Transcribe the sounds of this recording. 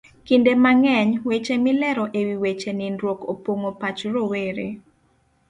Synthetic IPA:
kindemaŋɛɲwet͡ʃemɪlɛɾɔʔewiwet͡ʃenɪnɾwokopwoŋopat͡ʃɾoweɾḛ

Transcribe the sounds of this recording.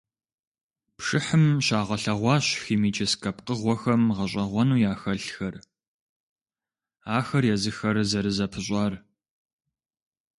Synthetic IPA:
pʂɨħɨmɕaːʁɐɬɐʁʷɑːɕxiːmiːt͡ʃʰɐskʰɐp̚qəʁʷɔxɐmʁɐɕʼɐʁʷɔnuːjaːxɐɬxɐr | aːxɐrjɛzɨxɐɾzɐɾɨzɐpʰɨɕ̬ʼɑːr

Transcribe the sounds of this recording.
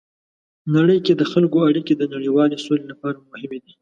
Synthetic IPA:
naɽəjked̪əxalkoaɽiked̪ənaɽiwɑlesolelapɑɾamʊhɪmed̪i

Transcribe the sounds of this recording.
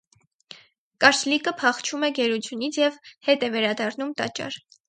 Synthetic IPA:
kɑɾslikəpʰɑχt͡ʃʰumɛɡɛɾut͡sʰjunit͡sʰjɛvhɛt̪ɛvɛɾɑd̪ɑrnumt̪ɑ̰t͡ʃɑ̰ɾ

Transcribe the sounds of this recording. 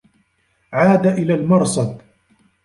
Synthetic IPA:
ʕaːd̪aʔɪlaːlmɑɾˤsɑb

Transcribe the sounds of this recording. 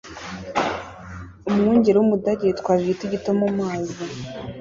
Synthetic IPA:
umŋuːɲɟeɾewumudaɾetkwaːβitiɟitomomaːzi

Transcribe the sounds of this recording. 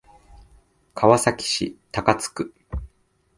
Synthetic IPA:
kʰaβasakʲi̥ɕḭt̪akat͡sɨ̥kɯ̟

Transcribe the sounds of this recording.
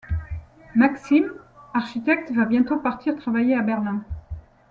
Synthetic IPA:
maksimaʁʃit̪ɛk̚t̪vabjɛ̃t̪opaʁt̪ʰiʁt̪χavajeabɛʁlɛ̃

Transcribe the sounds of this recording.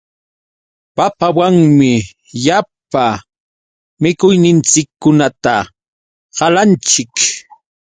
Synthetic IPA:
papawaŋmɪ | jap̚a | mɪkʊjnɪnt͡sɪkːʊnat̪a | ɢɑlant͡ʃɪk

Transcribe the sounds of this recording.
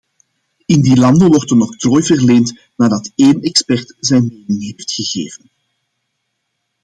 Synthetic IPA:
ɪndilɑndəʋɔrtənɔχtroːjvərleːnt | naːdɑteːnɛkspɛrtzɛjnmeːnɪŋɦeːftxəɣḛːvən

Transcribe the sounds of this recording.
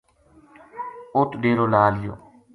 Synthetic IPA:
ʊt̪ɖeːɾoːlaːlɪjo̰ː

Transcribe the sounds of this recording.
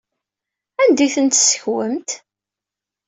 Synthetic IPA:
ænd̪iθənt̪sə̥çwəmt̪

